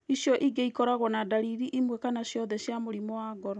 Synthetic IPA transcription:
isjɔʔiɡeikɔɾaɣwɔnadaɾiɾiʔimwɛkanaʃjɔðɛʃjamoɾimɔwaɡɔɾɔ

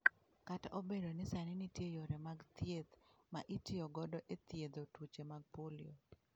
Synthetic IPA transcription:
katobedonɪsanɪnitjejoɾɛmaɡt̪jed̪maʔitɪɔɡɔdɔʔet̪jed̪otwut͡ʃemaɡ̚polio

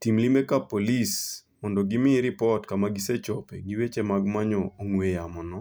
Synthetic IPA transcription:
timlimekapolis | mɔndɔɡɪmɪɾɪpɔtkamaɡiset͡ʃɔpeɡiwet͡ʃemaɡmaɲɔoŋwejamɔnɔ

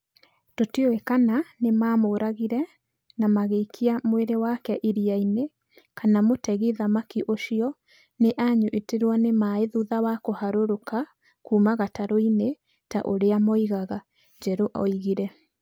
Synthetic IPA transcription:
totioekananemaːmoːɾaɣiɾɛ | namaɣeikʰiamweɾewakɛʔiɾiaine | kanamotɛɣiðamakiʔoʃiɔ | neʔaɲuʔeteɾwɔnemaeðuðawakohaɾoɾoka | kuːmaɣataɾoine | taʔoɾeamɔiɣaɣa | d͡ʒɛɾoʔɔ̰iɣiɾɛ

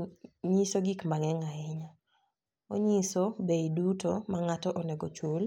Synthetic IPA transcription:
ɲisoɡikmaŋɛŋaɪɲa | o̰ɲisɔbeidutomaŋatɔʔɔnɛɡot͡ʃol

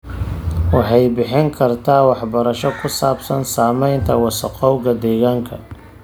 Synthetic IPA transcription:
wɑħɑjbɪħɪŋkʰɐrt̪ʰaːwɑħbɐɾɐʃɔkʰʊsaːbsɐnsaːmɛjnt̪ʰɐwɑsɐqɔwɣɐd̪ɛːɣaːŋkʰɐ

